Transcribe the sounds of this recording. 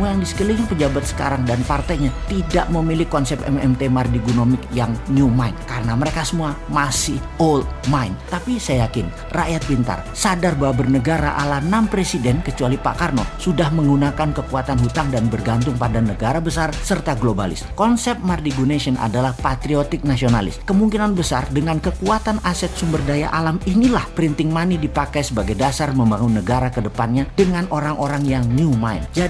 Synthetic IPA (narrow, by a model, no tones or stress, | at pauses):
muajaŋdisə̥kəliŋpəd͡ʒabat̪̚sə̥ka̰ɾaŋdanpart̪ajɲat̪idaʔməmilɪkɔnsɛpɛ̰mɛ̰mt̪emardiɡunomɪk̚jaŋniumainkaɾənaməɾekasəmuamasɪh | olmajnt̪apisajajakɪn | ra̰ʔjat̪̚bint̪a̰rsadarbawabərnəɡaɾa̰ʔa̰lanampɾesidɛnkət͡ʃualipa̰karnosudahməŋɡunakankəkuat̪anɦut̪aŋdanbərɡant̪̬ʊŋpadanəɡaɾabəsarsərt̪aɡloba̰lɪ̰skɔnsɛpp̚mardiɡunesiənʔa̰dalahpat̪ɾiot̪ɪk̚nasiona̰lɪ̰skəmuŋkinanbəsardəŋankəkuat̪anasɛt̪̚sumbərdaja̰ʔalaminilahpɾint̪ɪŋmanidipakajsəbaɡajdasarməmbaŋunːəɡaɾakədəpanɲadəŋanoɾaŋʔoɾaŋjaŋniumaɪ̰nd͡ʒa